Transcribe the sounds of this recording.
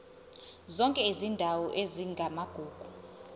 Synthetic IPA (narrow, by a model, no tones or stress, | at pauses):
zɔŋkʼɛizindʱawɔʔeziŋɡʱamaɡ̥ʱuːɡ̥ʱu